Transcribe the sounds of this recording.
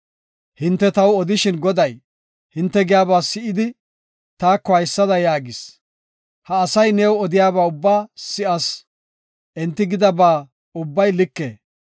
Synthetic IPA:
hɪnt̪ːɛt̪ɐwɔd̪ɪʃɪnɡɔd̪ɐj | hɪnt̪ːɛɡɪjaːbaːsɪʔɪd̪ɪ | t̪aːkːɔhɐjsːɐd̪ɐjaːɡɪs | hɐːsɐjnɛːwɔd̪ɪjaːbaːʊbːaːsɪʔɐs | ʔɛnt̪ːɪɡɪd̪ɐbaː | ʊbːɐjlɪkːḛː

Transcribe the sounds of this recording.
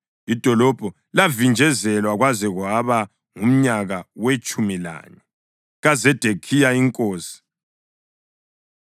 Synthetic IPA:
id̥ʱɔlɔb̥ʱɔ | lavind͡ʒʱɛzɛlwaɣwazɛɣwaβa | ŋum̩ɲaɣawet͡ʃʼumila̰ːɲɛ | ɣazɛd̥ʱekʰijaiŋkʼoːsi̥

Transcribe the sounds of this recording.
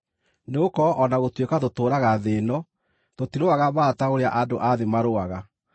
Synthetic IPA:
neokɔʔɔnaɣotwekatotoːɾaɣaðeːnɔ | totiɾoaɣaβaːtaoɾea̰ʔadoʔaðemaɾoaɣa

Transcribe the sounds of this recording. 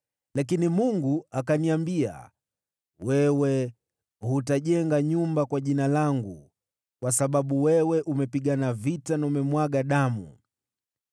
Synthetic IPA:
lakinimuŋɡuakaniambia̰ | wɛwɛ | hutaʄɛŋɡaɲumbakwaʄinalaŋɡu | kwasaɓaɓuwɛwɛʔumɛpiɡanavitanaumɛmwaɡaɗamṵ

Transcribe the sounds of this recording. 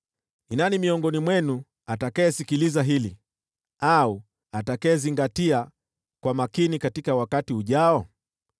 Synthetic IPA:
inanimiɔŋɡɔnimwɛnu | atakaɛsikilizaɦili | au | atakaɛziŋɡatia | kwamakinikatikawakatiuʄaɔ

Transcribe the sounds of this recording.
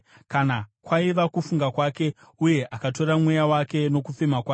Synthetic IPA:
kanakwaiʋakufuŋɡakwake̞ | uje̞ʔakato̞ɾamwejawake̞no̞kufemakwaː

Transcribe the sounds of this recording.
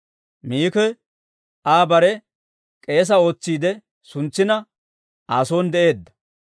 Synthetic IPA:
miːkɛ | ʔaːbɐɾɛ | kʼe̞ːs̬ɐo̞ːt͡sːiːd̪ɛ | sʊnt͡sːɪnɐ | aːso̞ːnd̪ɛʔe̞ːd̪ːɐ̥

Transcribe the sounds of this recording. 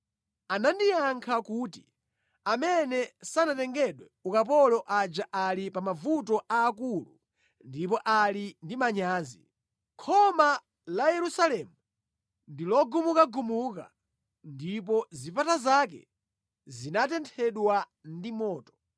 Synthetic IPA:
anandijaŋkʰakuːti | amɛnɛsanatɛŋɡɛɗwɛukap̬ɔlɔʔad͡ʒaʔalipamavutɔʔaːkulṵ | ndip̬ɔʔalindimaɲaːzḭ | kʰɔma | lajɛɾusalɛmu | ndilɔɡumukaɡumuka̰ | ndip̬ɔzipatazak̬ɛ̰ | zinatɛntʰɛɗwa | ndimɔːtɔ̥

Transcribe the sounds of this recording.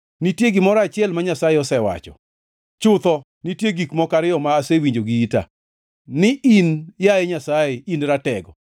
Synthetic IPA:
nitjeɡɪmɔɾaːt͡ʃɪɛlmaɲasajeɔsɛwa̰t͡ʃɔ̰ | t͡ʃʊt̪ɔ | nitjeɡikmɔkaɾɪɔmaːsewiɲd͡ʒoɡiita̰ | nɪinjajɛɲasaeinɾatɛɡɔ

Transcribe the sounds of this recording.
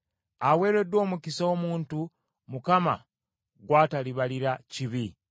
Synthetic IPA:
awe̞ːɾe̞do̞ːmukisaomuːntu | mukama̰ | ɡwaːtaliβaliɾaciβi

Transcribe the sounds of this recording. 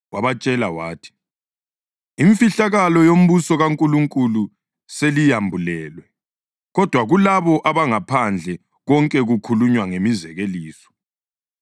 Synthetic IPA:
waβat͡ʃʼɛlawaːtʰi̥ | iɱfiɬaɣalɔjom̩βusɔɣaŋkʼuluŋkʼulu | selijambʱulɛːlwɛ | ɣɔd̥ʱwaɣulaβɔʔaβaŋapʰand͡ɮʱɛ | ɣɔŋkʼɛɣukʰuluɲwaŋemizɛɣeliːsɔ̥

